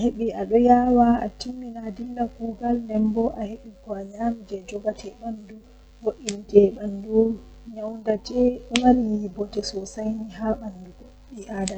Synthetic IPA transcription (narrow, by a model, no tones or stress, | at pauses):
aheɓiaɗɔjawaa̰timːinadilːakuɡalndɛmbɔʔaheɓikɔaɲamd͡ʒɛd͡ʒɔɡatʰɛɓandu | woʔːind͡ʒɛɓandɔ | ɲawndad͡ʒɛɗɔmaɾijibɔtɛsɔsajniɦaɓanduɡɔ | ɗiʔada